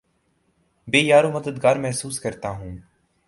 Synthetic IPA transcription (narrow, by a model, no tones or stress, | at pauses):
beːjaːɾõːməd̪əd̪ɡaːɾmɛɦsuːskəɾt̪aːɦũː